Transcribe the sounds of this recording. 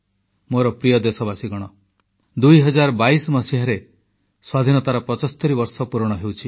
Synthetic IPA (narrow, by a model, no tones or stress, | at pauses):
moɾɔpɾijɔd̪esɔbasiɡɔɽ̃ɔ | d̪ujɦɔd͡ʒaɾɔbaisɔmɔsiɦaɾe | swad̪ʱinɔt̪aɾɔpɾɔt͡ʃɔst̪ɔɾibɔɾsɔpuɾɔɽ̃ɔɦewt͡ʃʰi